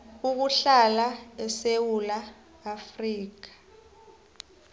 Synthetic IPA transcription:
uk̬uɬalaɛsewulaː | friːk̬ḁ

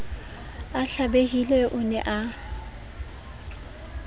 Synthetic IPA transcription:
aɬabeɣilɛʔʊnɛ̰ʔa

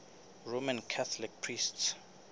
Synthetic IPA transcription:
ɹomãnkʰat̪ʰɔlik̚pʰrists

